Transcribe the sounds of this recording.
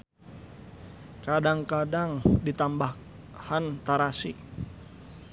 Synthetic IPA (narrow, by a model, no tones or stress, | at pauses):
kadaŋkadaŋdit̪ambah | hant̪aɾasi